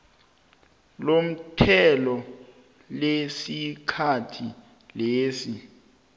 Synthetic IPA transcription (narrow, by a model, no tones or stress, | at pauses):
lom̩tʰɛlɔ | lesikʰatʰi | leːsi